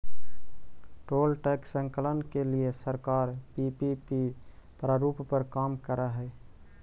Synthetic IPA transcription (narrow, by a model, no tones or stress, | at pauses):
ʈoːlʈeːksə̃ŋkələnkeliesəɾkaːɾpipipipɾaɾuːppəɾkaːmkəɾaɦɛː